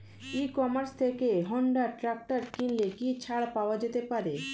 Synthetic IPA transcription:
ikɔmaɾst̪ʰekeɦɔɳɖaɾʈɾak̚ʈaɾkinlekit͡ɕʰaɽpaoad͡ʑet̪epaɾe

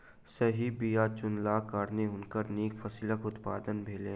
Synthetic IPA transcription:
sɐɦibijat͡ʃʊnlaːkaːɾneɦʊnkəɾniːkfəsɪləkʊt̪paːd̪ənbʱeːlẽː

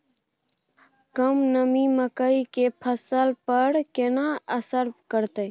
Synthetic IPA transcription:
kəmnəmiməkəikepʰəsəlpəɾkenaəsəɾbkəɾt̪əj

